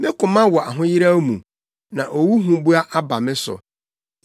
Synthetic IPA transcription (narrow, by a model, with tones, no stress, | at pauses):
mɪ̃˦kʊ̃˨mã˦wɔ˨a˨ɦʊ̃˦jɪ˦ɾa˦mṵ̃˨ | nã˨ʔo˨wu˦ɦũ˨˦bu˦a˦ʔa˦ba˨mɪ̃˦sʊ̰˨